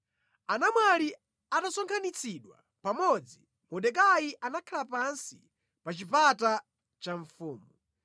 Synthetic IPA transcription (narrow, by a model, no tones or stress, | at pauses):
anamwali | atasɔŋkʰanit͡sʰiɗwa̰ | pamɔd͡zi | mɔɗɛk̬ajiʔanakʰalapansi | pat͡ʃipata | t͡ʃaɱfuːmu